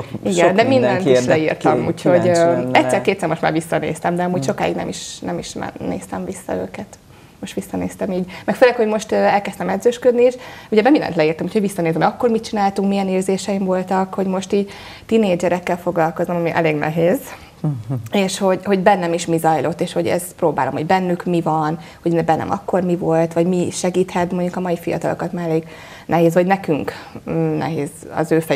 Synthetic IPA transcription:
iɡɛnd̪ɛmind̪ɛnt̪iʃlɛirt̪ɒmṵːcho̞ɟɛt̪sɛːɾkeːt̪sɛːɾmo̞ʃt̪ma̰ːɾʋisːɒnḛːst̪ɛmd̪ɛɒmuːɟʃo̞ka̰ːḭɡnɛ̰miʃnɛmiʃmɛ̰ḛːst̪ɛmvisːɒ̰ø̰ːkɛt̪ | moʃt̪ʋisːɒneːst̪ɛmiːɟmɛkføːlɛkho̞ɟmo̞ʃt̪øɛlkɛst̪ɛmɛd̪zøːʃkød̪nieʃuɟɛbɛmind̪ɛ̰nt̪lɛiːrt̪ɛmuːcho̞ɟʋisːɒneːszɛmɒkːoːrmit̪̚t͡ʃinaːlt̪uŋkmijɛneːrzeːʃɛiɱvo̞lt̪ɒkho̞ɟmo̞ʃt̪iːɟ | t̪ineːd͡ʒɛɾɛkːɛlfo̞ɡlɒlko̞zomɒmiʔɛ̰leːɡnɛ̰ɦeːz | eːʃho̞ɟho̞ɟbɛnːɛmiʃmizɒjlo̞t̪ːeːʃho̞ɟɛ̰z̥proːba̰ːlo̞mho̞̰ɟbɛnːykmivɒn | ho̞ɟnɛbɛnːɛ̰mʔɒ̰kːo̞rmivo̞lt̪ʋɒɟmiʃɛɡiːt̪hɛt̪mo̞ɲɟukɒmɒifijɒ̰t̪ɒlo̞̰kɒt̪maːɾɛleːɡ | nɛɦeːzʋɒɟnɛkyŋkːnɛ̰ɦḛːzɒ̰zøːfɛ

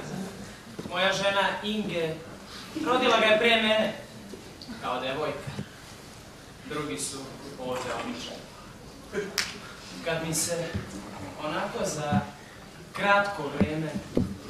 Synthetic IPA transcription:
mo̞jaʒenaiŋɡe | ɾod̪ilˠaɡapɾijemene | kaod̪aeʋojkḁ | d̪ɾuɡisuoːʋd̪eo̰bit͡ʃa̰j | kad̪mise | onako̞za | kɾat̪koʋɾeːme

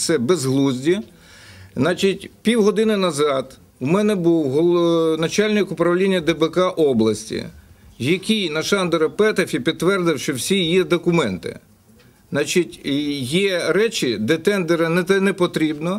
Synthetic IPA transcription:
sɛbɛzɦlˠuzʲdʲi | znɑt͡ʃɪtʲpʲiwɦɔd̪ɪnɪnɐzɑt̪ | umɛnɛbuwɦɔnɐt͡ʃɑlʲnɪkʊpɾɐwlʲinʲːɐd̪ɛbekɑʔɔblˠɐsʲtʲḭjɐkʲijnɐʃɑnd̪ɛɾɐpɛt̪efʲipʲid̪ʋɛrd̪ɪwʃt͡ʃɔwsʲijɛd̪ɔkʊmɛnt̪ɪ̰ | nɑt͡ʃitʲjɛɾɛt͡ʃʲɪd̪ɛt̪ɛnd̪eɾɐnɛɛnɛpɔt̪ɾʲibnɔ

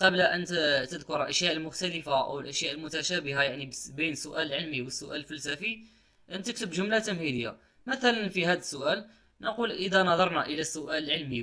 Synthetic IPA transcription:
qɑblʔənt̪t̪əd̪kʊɾəlʔæʃjaʔəlmʊxt̪æləfaʔə̰wəlʔæʃjaʔəlmʊt̪æʃæbəɦajaʕnibinəsːʊʔæləlʕəlmiwəsːʊʔæləlfælsæfi | ʔənt̪ək̚t̪əbʒʊmlat̪ːəmhid̪əjːa̰ | mæθælænfiɦæd̪əsːʊʔæl | nəqulʔəd̪ænɑd̪ˤɑɾˤnæʔəlæsːʊʔæləlʕəlmi

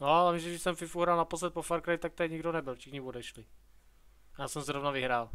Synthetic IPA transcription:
nolɛmiʒɛɡdɪʃsɛmfɪfuɦɾalnaposlɛt̪̚pofaɾkɾajt̪ak̚t̪aɲiɡdonɛbɪlfʃɪxɲivodɛʃlɪ | jaːsɛmzɾovnavɪɦɾaːl

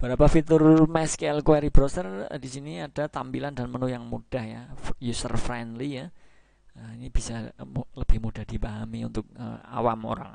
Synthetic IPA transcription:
b̥əɾapafit̪ʊrmɛskeɛlkoɛɾibɾosərdisiniad̥at̪ambilandanpənujaŋmud̥ahja̰fjusərfɾɛndlija | əinib̥isaləb̥ɪhmud̥ahd̥ipaɦamiṵnt̪ʊk̚ə̰a̰wamo̰ɾa̰ŋ

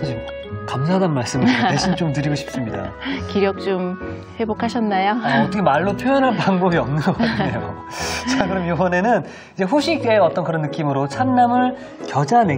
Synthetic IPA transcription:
kʰad͡ʑi | kamsʰaɦdanmaɭs͈ɯmaɕʰint͡ɕomtɯɾiɡoɕʰi̥p̚s͈ɯmɲida̰ | kiɾjʌk̚t͡ɕ͈om | ɸwe̞bokʰaɕʰʌnːajoaʌtʰʌkʰemaɭːopʰjojʌnɯɭpaŋbʌbiʌmnɯnɡɡanejo | t͡ɕʰaɡɯɾɯmjowʌne̞nɯn | id͡ʑe̞ɸoɕʰik͈eːʌt͈ʌnkɯɾʌnːɯk͈imɯɾot͡ɕʰanːamɯɭ | kjʌd͡ʑane̞

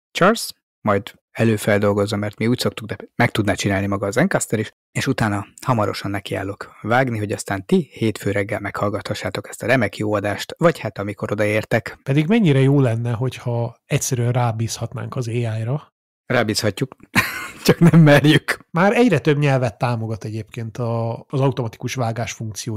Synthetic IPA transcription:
t͡ʃɑːrs | mɒjd̪ | ɛløːfɛld̪o̞lɡo̞zːɒmɛrt̪miuːcso̞k̚t̪uɡ̚d̪ɛmɛk̚t̪ud̪nat͡ʃinaːlnimɒɡɒːzɛŋkɒst̪ɛɾiʃ | eːʃut̪aːnɒhɒmɒɾo̞̰ʃɒnːɛkia̰ːlːo̞kvaːɡniɦo̞ɟɒst̪aːnt̪iheːt̪føːɾɛɡːɛlmɛkhɒlɡɒt̪hɒʃːaːt̪o̞kɛst̪ɒɾɛmɛkjoːɒd̪aːʃt̪vɒchat̪ɒmiko̞ɾo̞d̪ɒeːrt̪ɛkpɛd̪iɡmɛɲːiɾɛjoːlɛnːɛɦo̞chɒɛcʲsɛɾyɛnraːbiːshɒt̪na̰ːŋkɒzeːaːjrɒ | raːbiːshɒcːuk | t͡ʃɒknɛmːɛrjykmaːɾɛɟrɛt̪øbɲɛlvɛt̪ːaːmo̞ɡɒt̪ɛɟeːpkeːnt̪ɒːzɒut̪o̞mɒt̪i̥kuʃvaːɡaːʃfuŋk̚t̪sijoː

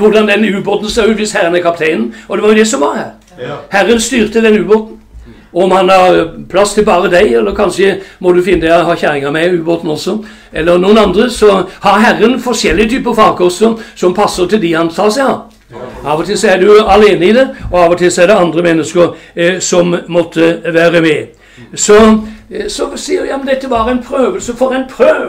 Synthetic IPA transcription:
ʋʊɖ̪ɑnd̪ɛnʉːboːt̪n̩sɑːʉːt̪ʋɪshæɾənækʰɑp̚t̪ʰeɪnn̩ɔd̪ɛʋɑɾjʊd̪ɛsɔmʋɑɾhæ̰ːɾ | hæɾːənst̪yːʁt̪əd̪ɛnʉːboːt̪n̩ | ɔmhɑnʋɑɾpʰlɑst̪ʰɪlbɑːɾəd̪æɪɛlːəɾkʰɑnʃəmɔd̪ʉfɪnːəd̪æhɑːçæːɾɪŋəmɛʉːboːt̪n̩ɔsɔ | ɛlːəɾnuːənɑnd̪ɾəsɔhɑɾɦæɾːənfɔɾʂɛlːɪət̪ʰyːpəɾfɑːkʰɔsɔsɔmpʰɑsːəɾt̪ʰɪld̪ɪhɑnt̪ʰɑːsæɪhɑ | ɑːʋɔt̪ʰɪlsɔæd̪ʉɑleːnəid̪ɛɔɑːʋɔt̪ʰɪlsɔæd̪ɛɑnd̪ɾəmɛnːəskəɾsɔmmɔt̪ʰːəʋæːɾəmɛ | sɔ | sɔsiːəɾjɑːmənd̪ɛt̪ːəʋɑɾæɪnpʰɾøːʋəlsəfɔɾæɪnpʰɾøː

